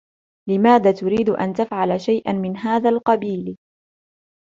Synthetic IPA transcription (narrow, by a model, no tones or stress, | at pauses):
lɪmaːðaːt̪ʊɾiːd̪ʔa̰nt̪afʕalaʃajʔanmɪnɦaːðaːlqɑbiːl